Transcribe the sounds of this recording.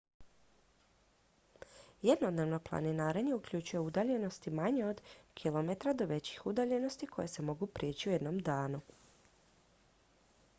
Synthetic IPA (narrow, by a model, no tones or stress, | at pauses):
jed̪nod̪neːʋno̞plˠa̰ninaːɾeɲeukʎʲut͡ɕujeud̪aʎe̞no̞st̪imaɲeo̞d̪kʰilˠomet̪ɾad̪o̞ʋe̞t͡ɕi̥xud̪aʎe̞no̞st̪ikʰo̞̰jese̞mo̞ɡupɾʲijeːt͡ɕiuje̞d̪no̞md̪aːnu